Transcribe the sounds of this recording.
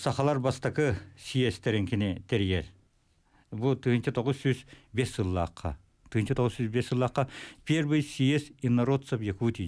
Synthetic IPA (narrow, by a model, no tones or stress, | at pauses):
sɑχɑlˠɑɾbɑst̪ɑkəsijest̪ʰeɾeŋkʲenet̪ʰeɾjeɾ | but̪ʰɨjnt͡ʃʰɪt̪ʰoʁəzsyzbesʒɨlˠːɑ̰qʰːɑ̰ | t̪ʰɯjnt͡ʃʰət̪ʰoʁəzsyzbesʒɨlˠɑqːɑpʲeɾbejsijesinːɐɾot̪sɐpjekut̪i